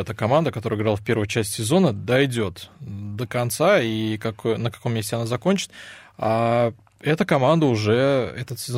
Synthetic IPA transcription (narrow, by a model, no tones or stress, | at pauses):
ɛt̪əkɐmand̪əkɐt̪oɾəɪɡɾalˠfpʲe̞ɾvʊjʊt͡ɕæsʲtʲsʲɪzo̞nəd̪ɐjdʲo̞t̪d̪əkɐnt̪saikɐkojnəkɐ̥ko̞mːʲesʲtʲɪɐnazɐkonʲt͡ɕɪ̥t̪a | ɛt̪əkɐmand̪əʊʐɛɛ̰t̪ət̪sʲɪz